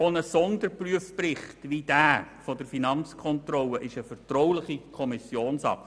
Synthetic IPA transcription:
onəsɔndəɾpryəfprɪχtʋid̥æːɾfɔd̥əɾfinɑnt͡skʰɔnt̪rɔlːəʔɪʃəfəɾtrɔwlɪχikʰɔmɪsjoːnsɑ̰k

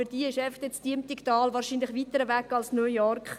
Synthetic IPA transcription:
fyd̥iɪʃɛftɛt͡sd̥iəmtiktɑːlvɑːɾʃiːnlɪχʋiːt̪əɾəvækːɑlsnøjɔrkχ

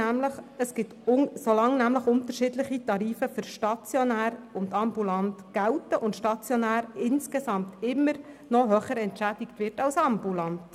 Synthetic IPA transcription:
æmləχəsɡ̥ɪtʊsolɑŋnæmləχʊnt̪əɾʃɪːdləχitɑɾiːfəfʏɾʃtɑt͡sjɔnæːɾʊnt̪ɑmbulɑntɡ̥æltəʔʊntʃtɑt͡sjonæːɾɪnskesɑmtɪmːəɾ | nɔɦœχəɾɛntʃæd̥ɪktʋɪrtɑlsɑmbulɑnt

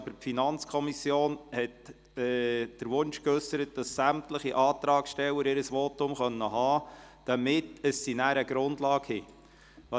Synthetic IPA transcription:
bəpfinɑnt͡skʰɔmisjoːnhɛtː | d̥əɾʋʊnʃkøsəɾət̚d̥ɑsːæmtləχiʔɑːt̪ɾɑːkʃtɛwːəɾɪɾəsʋoːtʊmχœnːəɦɑːd̥ɑmɪtəsːinæːɾəɡ̥ɾʊndlɑːkhɪ | ʋɑ

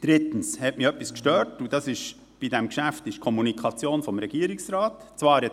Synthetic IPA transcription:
d̥ɾɪt̪ən̩shɛtmiœpːiskʃtøːɾtud̥ɑsɪʃ | b̥idɛmkʃæftɪʃkʰɔmunikʰɑt͡sjoːnfɔmɾɛɡiəɾɪksɾɑːtt͡svɑːɾɛ

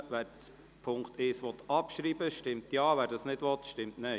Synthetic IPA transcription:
ʋæːɾ | pʰʊŋkt̪ɪːsʋɔt̪ɑpʃɾiːbəʃtɪmtjɑːʋæːɾdɑsnɪdʋɔt̪ʃtɪmtnɛ

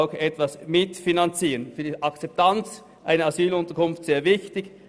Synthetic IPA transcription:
ʊxɛtvasmɪtfinant͡siːənfyːɐdiʔɑkt͡sɛp̚tʰant͡s | ʔaɪnəɑzyːlʊntəɐkʊnftseːɐvɪçtɪç

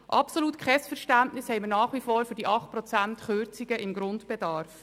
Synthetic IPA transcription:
ʔɑ̰psoluːtkʰχɛsfɛɾʃtæntnɪshɛɪmənɑːχʋifɔːɾfʏɾd̥iʔɑχt̚pɾɔt͡sæntχʏɾt͡siɡ̥əʔɪmɡɾʊntb̥ɛd̥ɑɾf

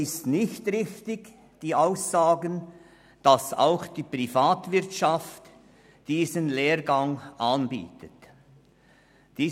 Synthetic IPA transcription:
ɪstnɪçtʁɪçtɪɡ | d̥iːʔaʊsaːɡən | d̥ɑsa̰ʊxd̥iːprifaːtvɪʁtʃaft | d̥iːzənleːʁɡɑŋanbḭːtət | d̥iː

